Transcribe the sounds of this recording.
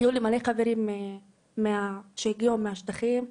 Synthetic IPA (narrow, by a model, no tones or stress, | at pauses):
ajulimaleχaveɾimeː | eaʃeiɡiumeaʃt̪aχim